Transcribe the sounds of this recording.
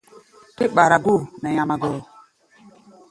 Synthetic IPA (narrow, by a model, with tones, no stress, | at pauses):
ti˦ɓa˨ɾa˨ɡu˦˨nɛ˨ja˨ma˨ɡɔ˨